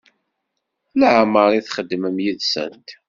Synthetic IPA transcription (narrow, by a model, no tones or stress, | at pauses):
ləʕməɾˤiθχəd̪ːməmjiðsə̰nt̪